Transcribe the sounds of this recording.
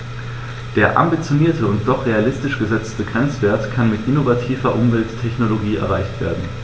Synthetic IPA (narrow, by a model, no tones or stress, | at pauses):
d̥eːɐʔa̰mbit͡sjoniːɐtʰəʊnt̚d̥ɔχʁ̥ealɪstɪʃɡ̥əzɛt͡stəɡʁɛnt͡sv̥eːɐtkʰanmɪtʔɪnovatʰiːvɐʔʊmvɛltʰːɛçnoloɡiːɛ̰ɐʁaɪçtv̥ḛːɐdn̩